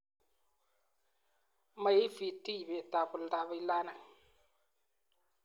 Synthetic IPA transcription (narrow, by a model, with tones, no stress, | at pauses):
ma˨ji˦fi˨ti˦˨bɛ˨ta˨bʊ˨lda˨bi˦la˦na˨